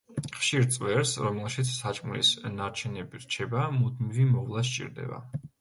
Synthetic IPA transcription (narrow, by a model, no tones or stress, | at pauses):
χʃiɾt̪sʼwɛɾsɾɔmɛlˠʃit̪sʰsat͡ʃʼmlḭsnaɾt͡ʃʰɛnɛbiɾt͡ʃʰɛbamud̪mivimɔʁlˠas̬t͡ʃʼḭɾd̪ɛ̰ba̰